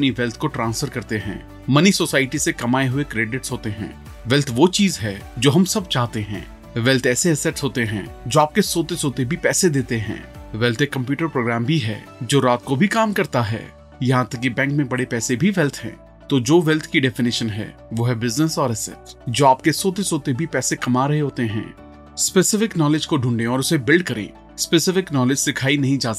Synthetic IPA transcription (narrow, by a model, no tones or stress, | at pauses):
ɐpniʋɛlt̪ʰkoʈɾãːnsfəɾkɐɾt̪eɦɛ̰̃ː | mɐnisoːsaːɪʈisekɐmaːeɦʊekɾeːɖɪʈsɦoːt̪eɦɛ̰̃ː | ʋɛlt̪ʰʋoːt͡ʃiːzɦɛːd͡ʒoːɦɐmsɐb̚t͡ʃaːɦt̪eɦɛ̰̃ː | ʋɛlt̪ʰɛːseɛsɛʈsɦoːt̪eɦɛ̃ːd͡ʒoːaːp̚kesoːt̪esoːt̪ebʱipɛːsed̪eːt̪eɦɛ̰̃ːʋɛlt̪ʰekɐ̃mpjuːʈəɾpɾoːɡɾaːmbʱiɦɛ̰ː | d͡ʒoːɾaːt̪kobʱikaːmkɐɾt̪aɦɛ̰ː | jɐɦãt̪ɐkːibɛ̃ːŋkmẽbɐɽepɛːsebʱiʋɛlt̪ʰɦɛ̰̃ː | t̪od͡ʒoːʋɛlt̪ʰkiɖɛfɪnɪʃənɦɛ̰ːʋoːɦɛbɪznəsɔːɾɛsɛ̰ʈsd͡ʒoːaːp̚kesoːt̪esoːt̪ebʱipɛːsekɐmaɾɐɦeɦoːt̪eɦɛ̰̃ː | spɛsɪfɪknɔːlɪd͡ʒkoɖʱũːɳɖẽɔːɾʊsebɪlɖkɐɾḛ̃ | spesɪfɪknɔːlɪd͡ʒdɪkʰaːinɐɦĩd͡ʒaːzə